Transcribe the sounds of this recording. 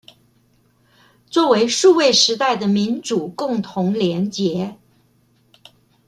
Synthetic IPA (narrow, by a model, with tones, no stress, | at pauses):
t͡swɔ˥˩we˧˥ɪʂu˥˧we˥˩ɪʂɻ̩˧˥t̪a˥˩ɪd̪ə˩mi˧˥nʈ͡ʂu˨˩kʊ˥˩ŋt̪ʰʊ˧˥ŋljɛ˧˥nt͡ɕjɛ˧˥